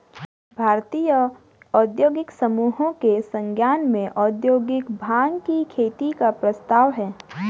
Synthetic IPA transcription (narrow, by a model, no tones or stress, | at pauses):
bʱaːɾt̪iːjə | ɔːd̪joːɡɪksəmuːɦõkesə̃ŋɡjaːnmẽʔɔːd̪joːɡɪkbʱaːŋkikʰeːt̪ikapɾəst̪aːʋɦɛː